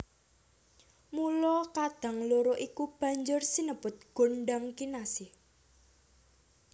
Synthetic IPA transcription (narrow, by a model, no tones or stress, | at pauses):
mulɔkad̪̥a̤ŋloɾoʔikub̥ä̤ɲd͡ʒʊrsinəbʊt̪̚ɡ̥o̤ɳɖaŋkinasɪh